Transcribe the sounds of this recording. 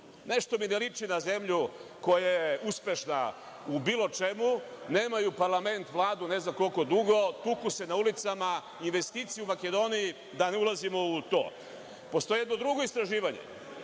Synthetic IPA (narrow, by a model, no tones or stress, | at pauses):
ne̞ʃt̪o̞minelit͡ʂinaze̞mʎuko̞jajjeuspʲe̞ʃna̰ | ubiːlo̞t͡ʃe̞muneːmajupaɾlˠame̞nt̪ʋlˠaːd̪une̞znamko̞lko̞d̪uɡo̞t̪ukuse̞naulit̪sama | inʋe̞st̪iːt̪sieumake̞d̪o̞niji | d̪aneulˠazimo̞ut̪o̰ː | po̞st̪o̞jeed̪nod̪ɾuɡo̞ist̪ɾaʒiːʋaɲḛ